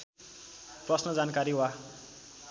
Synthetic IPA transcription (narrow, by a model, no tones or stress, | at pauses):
prʌsnʌd͡zankaɾiɦwa